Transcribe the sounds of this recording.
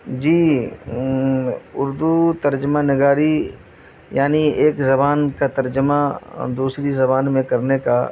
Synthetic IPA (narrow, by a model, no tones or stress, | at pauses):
d͡ʒiː | ʊɾd̪ut̪ɐɾd͡ʒmanɪɡaːɾi | jaːnieːkzɐbaːnkat̪ɐɾd͡ʒəmad̪uːsɾizɐbaːnmẽkɐɾneka